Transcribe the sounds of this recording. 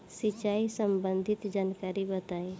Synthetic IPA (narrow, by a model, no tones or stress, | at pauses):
sɪt͡ʃaːisə̃mbə̃nd̪ʱɪt̪d͡ʒaːnkaːɾibət̪aːe